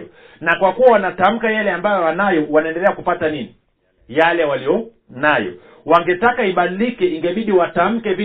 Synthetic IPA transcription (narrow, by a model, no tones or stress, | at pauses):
ɔ | nakwakuwawanatam̩kajalɛambajɔanajɔwanaɛndɛlɛakupatanini | jalɛwalijɔ | najɔ̰ | waŋɡɛtakaiɓaɗilikɛiŋɡɛɓiɗiwatam̩kɛvi